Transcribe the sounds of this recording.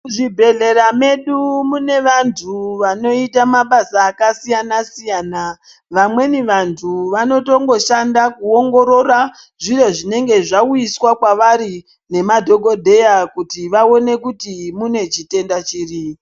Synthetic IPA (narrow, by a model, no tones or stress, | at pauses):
ʐibʱe̞ɮe̞ɾame̞ɗumune̞ʋantʰuʋano̞itamaɓasaːkasijanasijaːna | ʋamwe̞niʋantʰuʋano̞to̞ŋɡo̞ʃandakuoŋɡo̞ɾo̞ra | ʐiro̞ʐine̞ŋɡe̞ʐaujiswakwaʋaɾi | ne̞madʱo̞ɡʱo̞dʱe̞jakutiʋao̞ne̞kutimune̞t͡ʃite̞ndat͡ʃiːri